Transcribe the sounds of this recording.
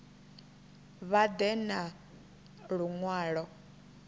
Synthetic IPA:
βad̪ɛna | ɺuŋwaːɺɔ

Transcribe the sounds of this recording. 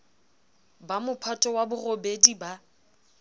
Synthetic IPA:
bamʊpʰatʼɔwabʊrobediba

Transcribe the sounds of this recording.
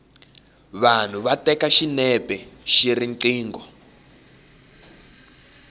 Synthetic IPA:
βan̤uβatɛkaʃinɛbɛʃiriŋǀiːŋɡɔ

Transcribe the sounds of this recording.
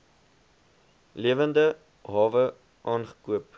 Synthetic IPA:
liəvəndə | ɦɑːvə | ʔɑːnχə̥kuəp

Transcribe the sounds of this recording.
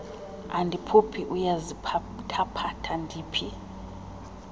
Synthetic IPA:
andʱipʰupʰiʔujazi | tʰapʰatʰandʱiːpʰi

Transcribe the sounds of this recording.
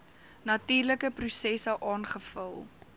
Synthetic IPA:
nɐtiːrləkəprusɛsəʔɑːnχəfəlˠ

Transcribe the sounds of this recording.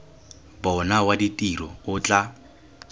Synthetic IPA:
bɔnawaditʼiɾɔʊt͡ɬʼa

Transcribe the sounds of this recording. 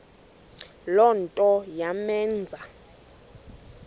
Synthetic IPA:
lɔntʼɔjamɛːnd͡zʱa

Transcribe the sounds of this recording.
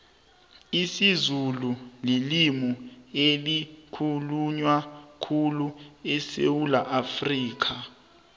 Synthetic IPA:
isizululilimɔelikʰuluɲwakʰuluɛsḛwulaʔafriːk̬ʰa

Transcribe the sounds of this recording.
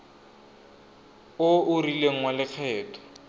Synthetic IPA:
ʊʊrileŋ̩walɪk͡xʰɛːtʰɔ̥

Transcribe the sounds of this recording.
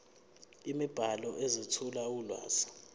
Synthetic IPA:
imib̥ʱalɔʔezitʰulawulwa̰ːsḁ

